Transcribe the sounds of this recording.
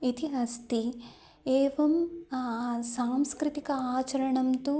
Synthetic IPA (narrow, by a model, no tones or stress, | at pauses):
it̪ʰiɐst̪i | eːʋɐm | saːmskɾɪt̪ikɐaːt͡ʃɐɾɐɳɐmt̪u